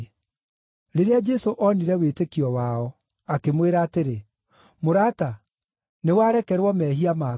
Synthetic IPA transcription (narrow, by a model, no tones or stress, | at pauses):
ɾeɾead͡ʒɛsoʔɔniɾɛwetekiɔwaɔ | akemweɾaːteɾe | moɾaːta | newaɾɛkɛɾwɔmɛːɦiama